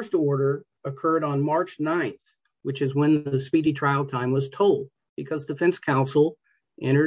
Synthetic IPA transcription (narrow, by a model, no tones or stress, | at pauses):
stɔɹɾə˞ | əkʰɜ˞ɾn̩mɑɹt͡ʃnãɪ̃nθ | wɨt͡ʃɨzwə̃nðɨspiɾitʰɹ̥aɪl̩ˠtʰãɪ̃mwʌz̥tʰoʊlˠd̚ | b̥ɨkʰʌzdɨfɛ̃nskʰãʊ̃nsl̩ˠ | ʔɛ̃ɾ̃ə˞